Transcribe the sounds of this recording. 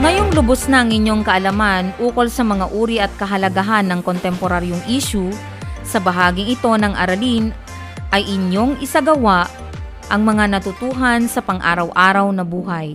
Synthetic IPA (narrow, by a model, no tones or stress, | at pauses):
ŋɐjoŋlʊbosnɐʔɐŋɪɲjo̞ŋkɐʔɐlɐmanʔuːko̞lsɐmɐŋaʔuːɾiʔɐt̪̚kɐɦɐlɐɡaɦanːɐŋkont̪ɛmpoɾaɾjoŋʔiːʃu | sɐbɐɦaːɡɪŋɪt̪o̞nɐŋʔɐ̰ɾɐlin | ʔɐjʔɪɲjo̞ŋʔɪsaɡɐwaʔ | ʔɐŋmɐŋanɐt̪ʊt̪uːɦɐnsɐpɐŋʔa̰ːɾɐwʔaːɾɐwnɐbuːɦɐj